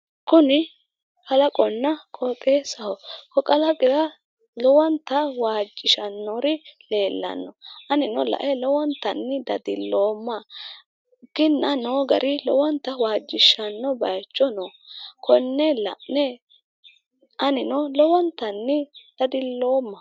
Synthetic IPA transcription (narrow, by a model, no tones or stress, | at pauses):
kʊnɪ | kʼɐlɐkʼɔnːɐkʼɔt̪ʼeːsɐhɔkɔkʼɐlɐkʼɪɾɐ | lɔwɐnt̪ːɐwaːd͡ʒːɪʃɐnːɔɾɪle̞ːlːɐ̰nːɔʔɐnɪnɔlɐ̰ʔɛlɔwɔnt̪ɐnːɪd̪ɐd̪ɪlːo̞ːmːɐ | ɡ̥ɪnːɐnoːɡɐɾʔɪlɔwɐnt̪ɐwaːd͡ʒːɪʃɐnːɔbɐjt͡ʃʼːɔnɔkʰɔnːɛlɐ̰ʔnɛ | ʔɐnɪnɔlɔwɔnt̪ɐnːɪd̪̥ɐd̪ɪlːo̞ːmːɐ